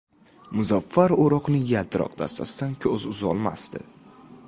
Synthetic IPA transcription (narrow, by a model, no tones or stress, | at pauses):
mʊzafːaɾoɾɒqnɪjalt̪ʰɪɾɒ̰qd̪a̰st̪ʰasɪd̪ankʲʰɵzʊzɒlˠma̰st̪ɪ̰